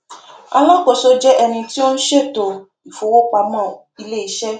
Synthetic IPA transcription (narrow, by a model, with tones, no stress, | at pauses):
a˧lɔ̃˦ko˦˨so˦d͡ʒɛ˦ʔɛ˧nĩ˧ti˦o˦n̩˦ʃe˦˨to˨ | i˨fo˨wo˦k͡pa˧mã˦˨i˧le˦i˨˦ʃɛ˦